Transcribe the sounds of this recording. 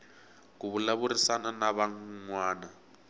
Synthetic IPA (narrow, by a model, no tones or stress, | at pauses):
kuβulaβurisananaβaŋŋwaːna